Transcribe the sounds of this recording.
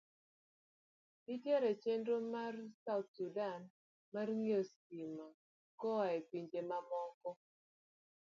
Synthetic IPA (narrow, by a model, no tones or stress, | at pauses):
ditjeɾet͡ʃendomarsaʊt̪̚sudan | marŋos | ima | kɔepiɲd͡ʒemamɔkɔ